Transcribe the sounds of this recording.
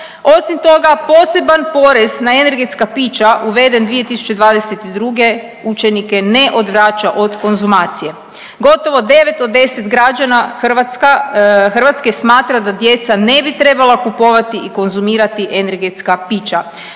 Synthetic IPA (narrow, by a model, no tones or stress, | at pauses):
o̞simt̪o̞ɡapo̞ːse̞banpo̞ɾe̞znaene̞ɾɡe̞t̪skapiːt͡ʃaʔuʋe̞d̪e̞nd̪ʋije̞t̪isu̥t͡ʃe̞d̪ʋaːd̪eset̪id̪ɾuɡe̞ | ut͡ʃe̞nike̞ne̞ʔo̞d̪ʋɾaːt͡ʃaʔo̞d̪ko̞nzumaːt̪sije̞ | ɡo̞t̪o̞ʋo̞d̪e̞ʋe̞t̪od̪d̪ːe̞set̪ɡɾad͡ʒanaxakaxr̩ʋat̪ske̞smaːt̪ɾad̪ad̪je̞t̪sane̞bit̪ɾe̞balˠakupo̞ʋat̪iʔiko̞nzumiːɾat̪iʔe̞ne̞ɾɡe̞t̪skapiːt͡ʃa